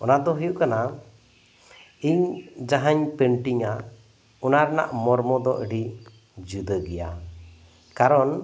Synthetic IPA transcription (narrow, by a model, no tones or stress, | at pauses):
ɔnad̪ɔɦɔjuʔkana | iɲd͡ʒaɦaɲpəɳʈiɲa | ɔnaɾna̰ʔmɔɾmɔd̪ɔʔəɖi | d͡ʒud̪əɡɛja̰ | kaɾɔn